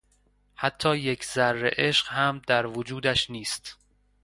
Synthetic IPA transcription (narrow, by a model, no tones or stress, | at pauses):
hæt̪ʰːɒːjekʰzærːḛʔe̞ʃɢhæmd̪æɾvod͡ʒuːd̪æʃniːst̪